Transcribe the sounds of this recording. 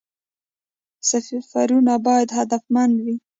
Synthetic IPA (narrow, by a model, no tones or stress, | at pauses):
safifaɾunabɑjad̪ɦad̪afmanwi